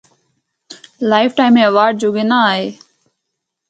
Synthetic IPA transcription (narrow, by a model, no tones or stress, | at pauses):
laːɪfʈaːɪmẽːəʋaːɾɖ̚d͡ʒoːɡeːnaaːɦeː